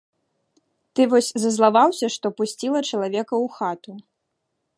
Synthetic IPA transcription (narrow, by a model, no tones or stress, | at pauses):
t̪ɨvɔsʲzɐzlˠavawsʲɐʂt̪ɔpusʲt͡sʲilˠɐt͡ʂɐlˠavʲɛkɐwxat̪u